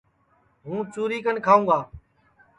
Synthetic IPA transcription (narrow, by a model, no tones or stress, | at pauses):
ɦũːt͡ʃuːɾiːkənkʰaːũːɡaː